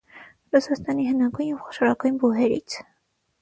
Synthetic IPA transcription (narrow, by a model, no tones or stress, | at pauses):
rusɑst̪ɑniɦənɑɡujnjɛvχɔ̥ʃɔɾɑkujnbuɦɛɾḭt͡sʰ